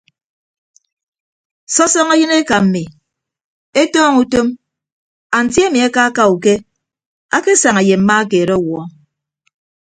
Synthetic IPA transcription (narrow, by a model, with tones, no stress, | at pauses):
sɔ˦sɔ˦ŋa˦jɨ˦ne˦ka˨m̩˨mi˨ | e˦tɔː˦ŋu˦to˦m | a˨n̩˨tje˦mi˨a˦ka˦ka˦u˨ke˦ | a˦ke˦sa˨ŋa˨je˨m̩˨ma˦a˦keː˨ɾɔ˦wɔ˨ɔ˦